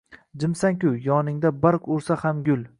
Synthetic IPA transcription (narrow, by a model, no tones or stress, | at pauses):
d͡ʒɪmsaŋkʲʊjɒnɪŋd̪abaɾqʊɾsahamɡʲʊl